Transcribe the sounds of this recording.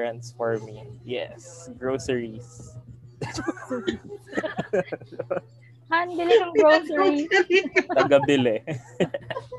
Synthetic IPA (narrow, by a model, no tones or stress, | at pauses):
ɹɐ̃nsfɔɹmijɛ̰sɡɹoːsɛɹis | hanbɪlɛnɐŋɡɹosɛɹi | t̪ɐɡɐbɪlɛ